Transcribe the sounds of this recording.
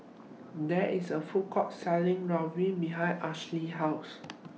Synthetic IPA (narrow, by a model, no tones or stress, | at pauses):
dɛisəfukʰɔt̚sɛlĩŋɹãɹĩbiɦãɪnʔaʃliɦaʊs